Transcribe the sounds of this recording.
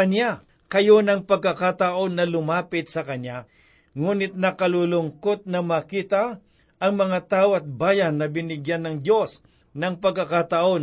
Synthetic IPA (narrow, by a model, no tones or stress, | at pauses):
ɐna | kɐjo̞nɐŋpɐɡ̚kɐkat̪aʔo̞nːɐlʊmaːpɪt̪̚sɐkɐnja | ŋuːnɪt̪̚nɐkɐlulʊŋkot̪̚nɐmaːkiːt̪ɐ | ʔɐŋmɐŋat̪aːʔoɐt̪̚baːjɐnːɐbɪnɪɡjanːɐŋd̪jo̞s | nɐŋpɐɡ̚kːɐkat̪ɐʔo̞n